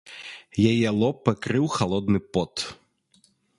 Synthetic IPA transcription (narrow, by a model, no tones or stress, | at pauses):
jɐjɛlˠɔpɛkɾɪwxɐlˠɔd̪nɨpɔt̪